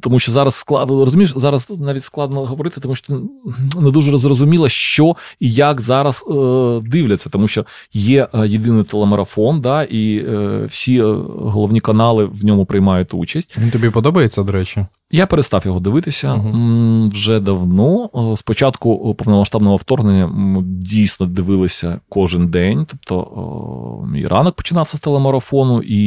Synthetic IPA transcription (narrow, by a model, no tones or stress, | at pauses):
t̪ɔmuʃt͡ʃɔzɑɾɐsːklˠɑrɔzʊmʲiʃzɑɾɐsnɑitʲsklˠɑd̪̚nɔɦɔʋɔɾɪt̪ɪ̥t̪ɔmuʃt͡ʃːɔ̥t̪nɛd̪uʐɛrɔzrɔzʊmʲilˠɐʃt͡ʃɔijakzɑɾɐsd̪ɪwlʲɐt͡sʲːɐ̥t̪ɔmuʃt͡ʃɔ | jɛʔjɪd̪ɪnɪjt̪elˠɛmɐɾɐfɔnd̪ɑʔiwsʲiɦɔlˠɔʋnʲikɐnɑlˠɪʋnʲɔmʊpɾɪjmɑjʊt̪ʲṵt͡ʃɐsʲtʲʋʲint̪ɔbʲipɔd̪ɔbɐjet͡sʲːɐd̪ɔɾɛt͡ʃʲɪ | japeɾetst̪ɑfjɔɦɔd̪ɪʋɪt̪ɪsʲɐ | wʒɛd̪ɐwnɔspɔt͡ʃɑt̪kʊpɔwnɔmɐʃʂt̪ɑbnɔɦɔft̪ɔrɦnenʲːɐdʲijsnɔd̪ɪʋɪlˠɪsʲɐkɔʐɪnd̪ɛnʲt̪ɔpt̪ɔ̰ | mʲḭjrʔɑ̰nɐk̚pɔ̥t͡ʃɪnɑfsʲɐst̪elˠemɔɾɐfɔnʊʔi